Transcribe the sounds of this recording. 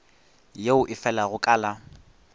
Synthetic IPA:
jeʊʔɪfɛlaɣʊkʼaːla

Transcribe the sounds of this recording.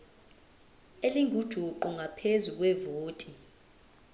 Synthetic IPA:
eliŋʱud̥ʒ̥ʱuǃuŋʱapʰezuk̬ʼwɛvoːtʼi

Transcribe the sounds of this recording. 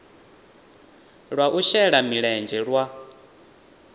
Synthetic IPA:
ɺwaʔuʃɛɺamiɺɛnd͡ʒɛɺwa

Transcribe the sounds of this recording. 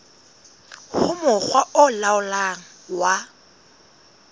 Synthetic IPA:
hʊmʊχwaʊlaʊlaŋ̩wa

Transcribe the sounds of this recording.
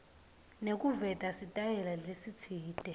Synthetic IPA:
nek̬ʼuvɛtʼasitʼajɛlalesit͡sʰiːd̥ʱʼɛ

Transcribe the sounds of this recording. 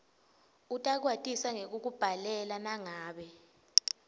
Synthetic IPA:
utʼak̬watʼisaŋek̬uk̬ub̥ʱalɛlanaŋaːɓɛ

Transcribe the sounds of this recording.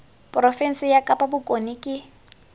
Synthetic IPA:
pʼrɔfɛnsɪjakʼapʼabʊkʼonikʼɪ

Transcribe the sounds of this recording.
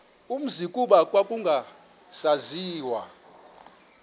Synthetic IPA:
um̩zikʼuɓakʼwakʼuŋɡʱa | saziːwa̰

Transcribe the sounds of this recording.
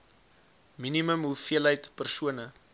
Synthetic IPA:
miniməmɦufiəlɦəjtpərsuənə

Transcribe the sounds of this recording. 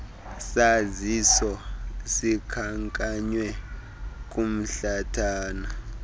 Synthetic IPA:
sazisɔsikʰaŋkʼaɲwɛ | k̬ʼum̩ɬatʰaːna

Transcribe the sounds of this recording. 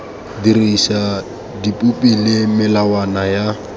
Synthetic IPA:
dirisa | dipʼupʼilɪmɪlawanaja

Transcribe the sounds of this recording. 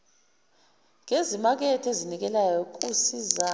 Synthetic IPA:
ŋezimak̬ɛtʰezinik̬ɛlajɔk̬ʼusiza

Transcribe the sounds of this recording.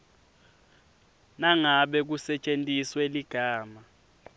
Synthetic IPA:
naŋaɓɛk̬usɛt͡ʃʼentʼisweliɡ̥ʱaːma

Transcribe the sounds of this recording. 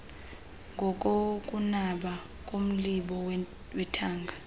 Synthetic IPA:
ŋɡʱɔkʼok̬ʼunaɓa | kʼom̩liɓɔw | wɛtʰaːŋɡʱa

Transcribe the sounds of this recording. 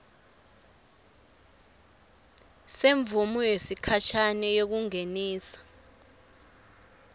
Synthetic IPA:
seɱvumujesikʰat͡ʃʰanɛjok̬uŋeniːsḁ

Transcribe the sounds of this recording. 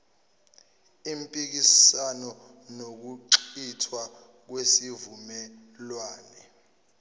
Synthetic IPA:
impʼik̬isanɔ | nok̬uǀitʰwa | k̬wesivumɛ | lwaːnɛ

